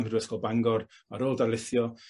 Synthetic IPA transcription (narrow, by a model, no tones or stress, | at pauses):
mrwɛskɔlˠbaŋɡɔr | aɾoːlˠdalˠɪθjɔ